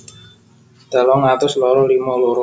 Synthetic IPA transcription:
d̪̥alɔŋat̪ʊslɔɾɔlimalɔɾɔ

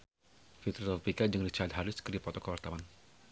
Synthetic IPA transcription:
fit̪ɾɔt̪ɔpikad͡ʒaŋdit͡ʃaat̪̚ɦaɾɪskɨrdipɔt̪ɔkəwart̪awan

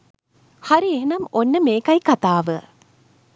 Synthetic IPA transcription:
haɾieɦnɐmonːəmeːkajkat̪aːʋə

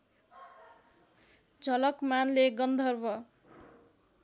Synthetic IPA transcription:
d͡zʱʌlʌkmanleɡʌnd̪ʱʌrwʌ

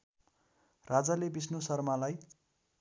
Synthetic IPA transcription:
rad͡zalebisnusʌrmalaj

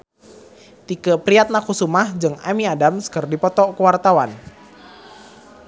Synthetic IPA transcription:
t̪ikəpɾiat̪̚nakusumahd͡ʒɨŋa̰miadamsə̥kərdipɔt̪ɔkəwart̪awan

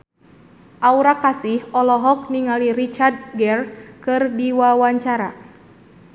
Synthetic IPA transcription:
ʔauɾakasihɔlɔɦɔk̚niŋaliɾit͡ʃard̪̚ɡɛrkɨrdiwawaɲt͡ʃaɾa

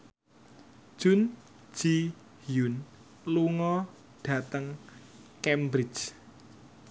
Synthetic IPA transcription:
ʒ̥ʊ̤n | d͡ʒ̥i | jun | luŋɔ | ɖ̥ä̤t̪əŋ | kɛmbɾɪt͡ʃ

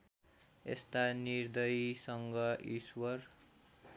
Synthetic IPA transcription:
ḛst̪anird̪ʌjsʌŋɡʌʔiswʌr

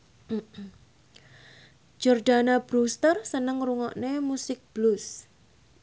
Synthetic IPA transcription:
d͡ʒɔrɖ̥anab̥ɾust̪ərsənəŋruŋɔʔnemusɪk̚b̥lus

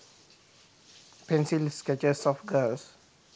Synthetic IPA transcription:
pɛ̃nsilskɛt͡ʃəsɔfɡəls

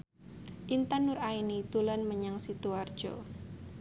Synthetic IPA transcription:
ʔint̪anʊɾainit̪ulanməɲaŋsit̪uard̥ʒ̥ɔ̰

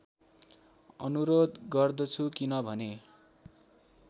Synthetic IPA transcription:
ʌnuɾod̪ɡʌrd̪ʌt͡sʰukinʌbʱʌne

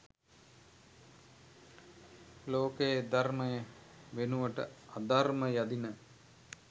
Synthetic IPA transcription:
loːkejd̪arməjəʋenuʋəʈə̰ad̪arməjad̪inə

